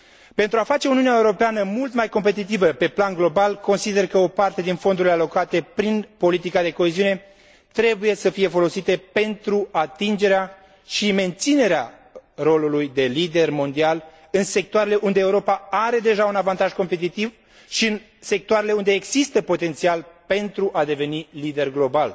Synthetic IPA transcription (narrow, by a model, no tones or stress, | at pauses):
pe̞nt̪ɾuafat͡ʃe̞uniuneaeuɾo̞peanəmult̪majko̞mpe̞t̪̬it̪̬ivəpe̞planɡlo̞balko̞nsid̪e̞rkəo̞part̪e̞d̪info̞nd̪uɾile̞alo̞kat̪e̞pɾinpo̞lit̪ikad̪e̞ko̞eziune̞ | t̪ɾe̞buje̞səfije̞fo̞lo̞sit̪e̞pe̞nt̪ɾuat̪ind͡ʒe̞ɾea | ʃime̞nt̪sine̞ɾea | ro̞lulujd̪e̞lid̪e̞rmo̞nd̪ial | ɨnse̞k̚t̪oaɾe̞le̞ʔund̪eːuɾo̞paaɾe̞d̪e̞ʒaunavant̪aʒko̞mpe̞t̪̬it̪iv | ʃiɨn | se̞k̚t̪oaɾe̞le̞und̪e̞ːɡzist̪əpo̞t̪e̞nt̪sialpe̞nt̪ɾuʔad̪e̞ve̞nilid̪e̞rɡlo̞bal